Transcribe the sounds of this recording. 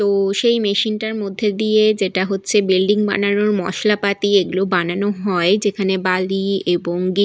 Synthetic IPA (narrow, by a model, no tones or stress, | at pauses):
t̪oʃejmeʃinʈaɾmod̪ʱːed̪ijed͡ʑeʈaɦotːɕʰebilɖiŋba̰nanoɾmɔ̰ʃlapat̪ieɡulobananoɦɔed͡ʑekʰanebalieboŋɡi